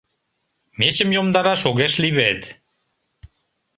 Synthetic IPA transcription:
met͡ɕə̆mjomd̪ɑɾɑʃoɣeʃliβet̪

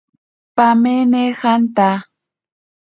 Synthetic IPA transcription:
pamenexant̪a

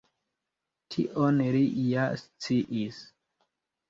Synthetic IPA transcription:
tʰḭʔonɾijast͡siʔis

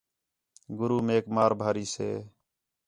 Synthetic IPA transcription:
ɡʊɾuːmeːkmaːɾbʱaːɾiːsḛː

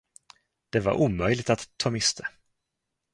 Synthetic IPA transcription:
d̪̥ɛva̰ɾʔuːmœjlɪɡ̚t̪at̪ʰːɑːmɪst̪ʰə

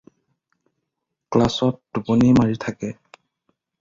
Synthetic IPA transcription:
klasɔt̚d̥uponimaɹitʰakɛ

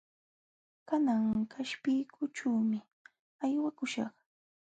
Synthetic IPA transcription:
kanaŋkʰaʃpɪjkʰʊʈ͡ʂaːmɪ | ajwakʊʃɑ̰χ

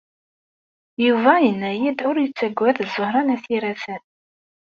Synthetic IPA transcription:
juvæjənːæjid̪ʊɾjət͡sːæɡʷːæðzˤːʊhɾˤɑnæθiɾæsən

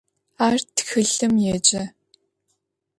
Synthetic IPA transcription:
aːrtxɨɮɨmjeːt͡ʃʼɐ

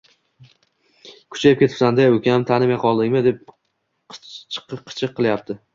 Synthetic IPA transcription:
kʲʰʊ̥t͡ʃʰajɪp̚kʲe̞t̪ʰɪ̥psand̪ajokʲʰamt̪ʰanɪmajqʰɒlˠd̪ɪŋʲmɪd̪e̞p̚ | t͡ʃʰqɨqʰːɨ̥t͡ʃʰɨqʰːɨlˠjap̚t̪ʰɪ

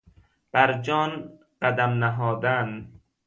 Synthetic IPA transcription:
b̥æɾd͡ʒɒːn | ɢæd̪æmnæɦɒːd̪æn

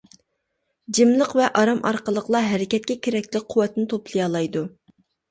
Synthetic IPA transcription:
d͡ʒɪmlˠəqvɛʔɑɾɑmʔɑ̰ɾqəlˠəqlˠɑɦɛɾɪkʲɛt̪̚kʲɛkʲʰeɾɛkʲlɪk̚ʲqʰʊwɛt̪nɪt̪ʰoplˠɨjɑlˠɑjd̪u

